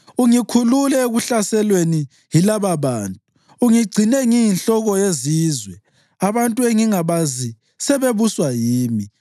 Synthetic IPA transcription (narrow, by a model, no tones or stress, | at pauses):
uŋikʰululɛeɣuɬasɛlweni | jilaβaβaːntʼuː | ŋiɡ͡ǀʱineŋijinɬɔɣɔjeziːzwɛ | aβantʼueŋiŋaβazi | sɛβeβuswajiːmi